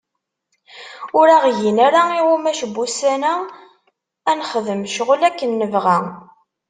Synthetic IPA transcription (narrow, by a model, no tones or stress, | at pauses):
ʊɾaʁʝinæɾaiwumæʃəbːusænæ | ænχəðəmʃʁlækːənːəvʁæ